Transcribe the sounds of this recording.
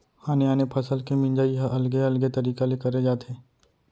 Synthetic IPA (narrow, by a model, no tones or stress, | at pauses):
haːniaːnepʰɐsəlkemɪ̃nd͡ʒaːiɦʔɐlɡeɐlɡet̪ɐɾiːkalekɐɾed͡ʒaːt̪ʰeː